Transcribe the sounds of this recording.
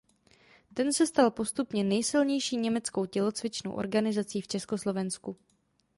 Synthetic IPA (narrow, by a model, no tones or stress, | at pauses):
t̪ɛnsɛst̪alpo̞st̪upɲɛnɛjsɪlɲɛjʃiːɲɛmɛt͡sko̞wcɛlo̞t͡svɪt͡ʃno̰wʔo̰ɾɡanɪzat͡siːft͡ʃɛsko̞slo̞vɛnsku